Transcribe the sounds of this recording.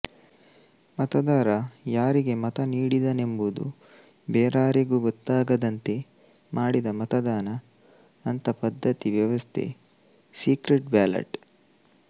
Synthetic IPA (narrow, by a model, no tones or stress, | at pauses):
mɐt̪ɐd̪aːɾɐjaːɾiɡe̞mɐt̪ɐniːɽid̪ɐne̞mbud̪ṵ | beːɾaːɾiɡuːɡot̪ːaːɡɐd̪ɐnt̪e̞ | maːɽid̪ɐmɐt̪ɐd̪aːnɐː | nt̪ɐpɐd̪ʱːɐt̪iʋjɐʋɐst̪ʰe̞̰ | siːkɾeʈ̚baːlɐ̰ʈ